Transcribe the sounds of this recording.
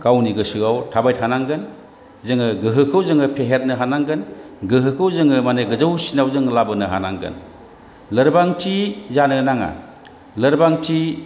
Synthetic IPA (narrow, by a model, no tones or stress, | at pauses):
kawniɡɯsɯɡawtʰabajt̚hanaŋɡɯn | zɯŋɯɡɯɦɯkʰɯwzɯŋɯpʰeɦet̚nɯɦanaŋɡɯn | ɡɯɦɯkʰɯwzɯŋɯmaneɡɯzawsinawzɯŋlabɯnɯɦa̰naŋɡɯ̰n | lɯɾbaŋtʰizanɯnaŋa̰ | lɯɾbaŋtʰi